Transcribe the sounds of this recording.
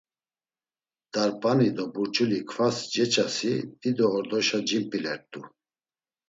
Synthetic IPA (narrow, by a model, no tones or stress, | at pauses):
d̪̥aɾpʼanid̪ɔbuɾt͡ʃʼulikʰfasd͡ʒɛt͡ʃʼasid̪id̪ɔːɾd̪ɔʃad͡ʒimpʼilɛɾt̪ʼu